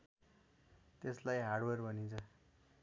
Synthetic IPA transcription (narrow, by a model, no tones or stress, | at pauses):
t̪eslajɦarɖwʌrbʌnint͡sʰʌ